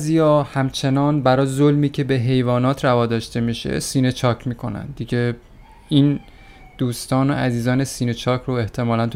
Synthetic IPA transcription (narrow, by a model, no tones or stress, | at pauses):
zijɒːhæmt͡ʃʰe̞nɒːnbæɾɒːzolmiːcʰe̞be̞ɦe̞jvɒːnɒːt̪ʰɾævɒːd̪ɒːʃt̪e̞miːʃḛsiːne̞t͡ʃʰɒːcʰmiːkʰo̞næ̰nd̪d̪iɟe̞ | iːn | d̪̥uːst̪ʰɒːno̰ʔæziːzɒːne̞siːne̞t͡ʃʰɒːcʰɾoeht̪ʰe̞mɒːlænt̪ʰ